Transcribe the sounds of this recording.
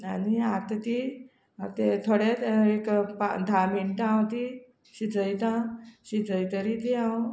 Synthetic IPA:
aniat̪t̪i | t̪et̪ʰoɽet̪ekpa̰d̪ʱaminʈãwt̪i | ɕid͡zəjt̪ãɕid͡zəjt̪əɾit̪iãw

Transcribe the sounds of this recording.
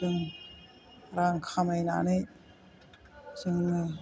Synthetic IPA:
ɯŋ | ɾaŋkʰamajna̰nɯj | zɯŋ

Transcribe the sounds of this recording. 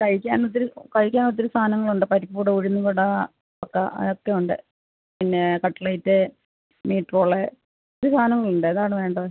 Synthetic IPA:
kɐɻikʲːaːnot̪̬ːiɾukɐɻikʲːaːnot̪̬ːiɾust̪ʰaːnɐŋːɐɭuɳɖɨpɐɾipːuːɽeuɻinːukuɽa | ɐkːɐ̰ʔokːejuɳɖɨ̰ | pinːekɐʈːɐlɐjtːe | niːʈːpoːɭe | oɾust̪ʰaːnɐŋːɐɭuɳɖɨenðaːɳɨʋe̞ːɳɖɐðɨ

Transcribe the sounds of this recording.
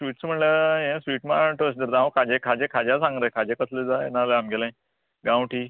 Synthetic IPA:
sʋiːʈsm̤əɳlajẽsʋiːʈma̰ʈʰosd̪əɾd̪ãõkʰad͡ʑẽkʰad͡ʑẽkʰad͡ʑasãŋɡɾəkʰad͡ʑekəsled͡zaḛnaləamɡelãj̃ | ɡãwʈiː

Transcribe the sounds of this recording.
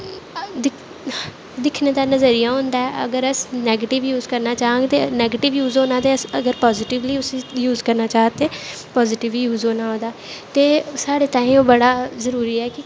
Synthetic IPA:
d̪ɪ | d̪ɪkʰneːd̪aːnəzəɾijãːɦõːnd̪aːɛːə̰ɡəɾəsnɛːɡeːʈɪʋjuːzkəɾnaːt͡ʃaːãːŋɡt̪eːnɛːɡeːʈɪʋjuːzoːnãːd̪eːəsəɡəɾpɔːzɪʈɪʋliːʊsĩːjuːzkəɾnaːt͡ʃaːɦt̪eː | pɔːzɪʈɪʋjuːzoːnaːoːd̪aːt̪eːsaːɽeːt̪ãːĩːoːbəɽaːzəɾuːɾiːɛːkɪ

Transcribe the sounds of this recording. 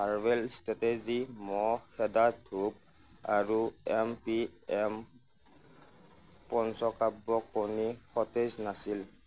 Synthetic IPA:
aɹbɛlstatezimɔxɛdadʰʱub̚ | aɹuɛmpiɛm | pɔnsɔkabːɔkonixɔteznasil

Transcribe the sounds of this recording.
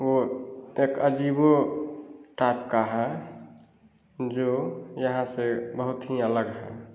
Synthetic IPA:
woekəd͡ʒibo | ʈaɪp̚kaɦɛ | d͡ʒojəɦãsebəɦut̪ɦiələɡɦɛ

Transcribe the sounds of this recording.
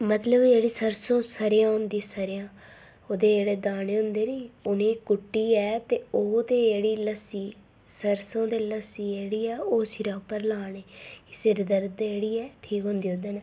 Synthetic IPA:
mət̪ləbd͡ʒeːɽiːsəɾsõːsəɾjãːɦʊnd̪isəɾjãː | oːd̪eːd͡ʒeːɽeːd̪aːɽeːɦʊ̃nd̪eːniːʊniːkʊʈːiːɛːt̪eːoːd̪eːd͡ʒeːɽiːləsiː | səɾsõːd̪eːləsiːd͡ʒeːɽiːɛːoːsɪɾãːpːəɾlaːneːkɪ̥sɪɾd̪əɾd̪d͡ʒeːɽiːɛːʈʰiːkɦõːnd̪iːɦõnd̪eːnː

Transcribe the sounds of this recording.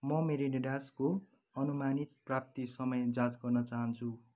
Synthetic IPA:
mʌmeɾeniɽasko | ʌnumanit̪̚prap̚t̪isʌmʌjd͡zat͡sɡʌrnʌt͡saɦʌnt͡sʰu

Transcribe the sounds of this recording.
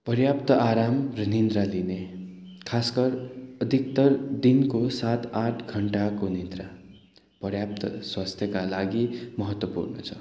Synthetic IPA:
pʌrjapt̪ʌʔaɾamrʌnind̪ɾaline | kʰaskʌrʌd̪ʱik̚t̪ʌrd̪inkosat̪aʈʰɡʱʌɳʈakonind̪ra | pʌrjap̚t̪ʌswast̪ʰjʌkalaɡimʌɦʌt̪wʌpṵrnʌ̰t͡sʰʌ

